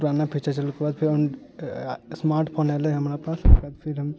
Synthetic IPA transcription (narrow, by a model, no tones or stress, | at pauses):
uɾanapʰit͡ʃat͡ʃɐlkebaːd̪pʰiɾɔn | smaːɾʈpʰoːnɛleɦɐmɾapaːsɐkaːd̪pʰiɾɦɐm